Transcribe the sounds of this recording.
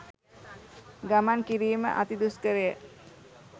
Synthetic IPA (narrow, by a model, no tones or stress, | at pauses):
ɡamankiɾiːmə̰ʔat̪id̪uskəɾejə